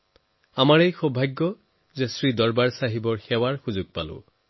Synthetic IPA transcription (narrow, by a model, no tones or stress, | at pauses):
amaɹejxɔbʱaɡːɔ | zesɹidɔɹbaɹsaɦibɔɹxɛwaɹxuzʊɡ̚palʊ̰̃